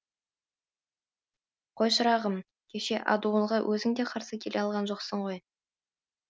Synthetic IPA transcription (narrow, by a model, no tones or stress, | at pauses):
qʰojʃəɾɑʁəm | kʲʰe̞ʃe̞ʔɑ̰d̪uəɴʁɑwʔɵzɪŋd̪e̞qʰɑɾsəkʲʰe̞le̞ɑlˠʁɑnʒo̞qsəɴʁo̞j